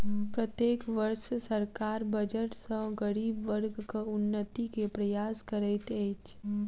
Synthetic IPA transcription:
pɾət̪jeːkʋəɾʃsəɾkaɾbəd͡ʒəʈsə̃ɡəɽiːbʋəɾɡkaʊnːət̪ikepɾəjaːskəɾɛt̪ɛt͡ʃ

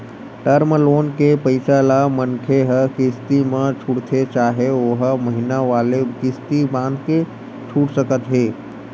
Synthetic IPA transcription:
ʈəɾməloːnkepəɪsalamənkʰeɦəkɪst̪imẽt͡ʃʰuɽt̪ʰet͡ʃaːɦeoɦməɦinaʋaːlekɪst̪ibãːnd̪ke | t͡ʃʰuːʈsəkət̪ɦeː

